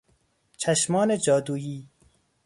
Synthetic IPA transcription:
t͡ʃʰæʃmɒːned͡ʒɒːd̪uːjiː

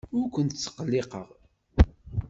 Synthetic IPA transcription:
ʊɾkʷənt̪ət͡sːə̥qːəlːeqəʁ

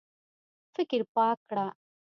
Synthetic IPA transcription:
fɪkiɾpaːkɽaː

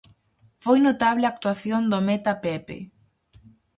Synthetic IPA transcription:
fojnot̪aβleak̚t̪waθjond̪omet̪apepḛ

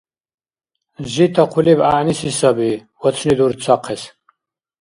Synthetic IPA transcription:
ʒit̪ʰaqʰulibanisisabiwɔt̪t͡sʰnid̪uɾt͡sʰaqʰɛs

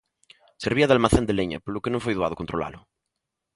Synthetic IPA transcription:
seɾβiaðealmaθend̪eleɲa̰polokenõŋfojðuaðokont̪ɾola̰lʊ

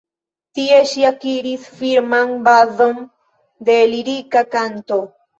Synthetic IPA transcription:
t̪ieʃjakiɾisfiɾmaŋbaðom | d̪eliɾikakant̪o

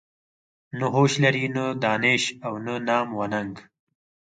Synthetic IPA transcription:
nəɦoːɕlɐɾinəd̪ɑːneʃawnənɑːmwɐnɐŋɡ

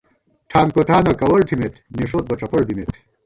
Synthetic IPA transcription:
ʈʰaŋkot̪ʰaːnɐkɐwɐɾt̪ʰimet̪ʰneʂoːt̪̚bɐt͡ʃɐpoɭbimet̪ʰ

